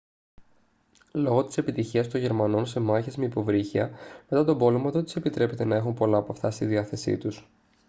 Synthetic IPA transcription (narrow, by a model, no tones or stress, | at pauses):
lo̞ɣo̞t̪i̥se̞pit̪içiɐst̪o̞ɲʝe̞ɾmɐno̞nse̞mɐçizmiipo̞vɾiçiɐme̞t̪ɐt̪o̞bo̞lemɐt̪o̞t̪i̥se̞pit̪ɾe̞pe̞t̪e̞nɐe̞xumpo̞lɐːpɐft̪ɐst̪iðiɐθe̞sḭt̪us